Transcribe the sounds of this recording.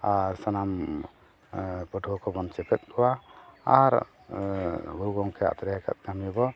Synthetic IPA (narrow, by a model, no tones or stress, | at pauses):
aɾsanam | pɔʈʰɔkɔbɔnt͡ʃɛpʰɛt̪̚kɔwaaɾ | ɡuuɡɔŋkʰɛa̰t̪ɾɛɦɛka̰t̪̚ɡamijbɔ